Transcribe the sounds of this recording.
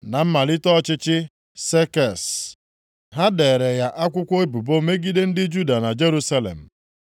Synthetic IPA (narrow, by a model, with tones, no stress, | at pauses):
na˨m̩˦ma˨lɪ˦tɔ˦t͡ʃɪ˦t͡ʃɪ˦ | se˦kɛ˨s | ɦa˦de˨ɾe˨ja˦ʔa˦kʷʊ˦kʷo˦e˦bu˨bo˦me˦ɡi˦de˦n̩˦dɪ˦d͡ʒu˦da˨na˨d͡ʒe˦ɾu˦sa˦lḛ˨m̩˨